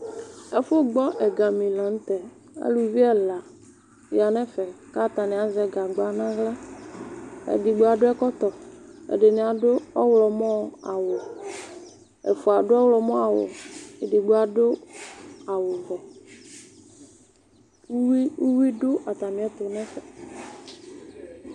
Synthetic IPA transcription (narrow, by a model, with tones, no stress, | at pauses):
ɛ˨fʊ˦ɡ͡bɔ˦ʔɛ˨ɡa˨mi˨lã˨n̩˦t̪ɛ˨ | a̰˦lu˨vi˦ɛ˦la˨ | ja˨nɛ̃˦fɛ˨ka˦˨t̪a˨nɪ̃˨a˨zɛ˨ɡa˨ɡ͡ba˨˦nã˦ɡla˦ | ḛ˨di˨ɡ͡bo˨˦a˨ɖʊ˦ɛ˦kɔ˦t̪ɔ˨ɛ̰˨ɖe˨nĩ˨a˨dʊ˦ɔ˦wlɔ˨mɔ̃˦a˨wʊ˨ | ɛ̰˨fʊ˨a˨ɖʊ˦ɔ˦wlɔ˨mɔ̃˦a˨wʊ̰˨e˨di˨ɡ͡bo˨˦a˨ɖʊ˦ | a˨wʊ˨vɔ˨˦ | i˦u˦wi˦ɖʊ˦ʔa˨t̪a˨mĩ˨ɛ˦t̪ʊ˨˦nɛ̃˦fɛ˨